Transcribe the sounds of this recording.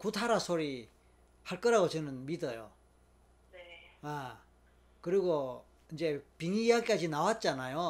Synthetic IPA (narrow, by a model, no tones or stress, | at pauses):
kutʰaɾasʰoɾi | haɭk͈ʌɾaɡot͡ɕʌnɯnmidʌjo̰ | a | kɯɾiɡo | ind͡ʑe̞piŋijaɡik͈ad͡ʑinawat̚t͡ɕ͈anajo